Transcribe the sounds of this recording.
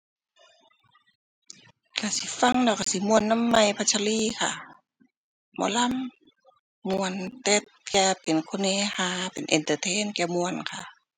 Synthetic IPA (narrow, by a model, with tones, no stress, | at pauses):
ka˧˩si˧˦fa˧˨ŋlɛː˧˩wka˧si˧˦mu˧ənːa˧˥˨mːa˧˩jpʰa˧t͡ɕʰa˧liː˧˨kʰa̰˧˩ | mɔ̰ː˧˦la˧˥˨mː | u˧ənt̪e˧t̪̚kɛː˧pe˨nkʰo˧neː˧˨haː˧˩pe˨nʔḭ˨nt̪ə˧t̪ʰeː˧˥˨nkɛː˧˩mu˧ənkʰa˧˨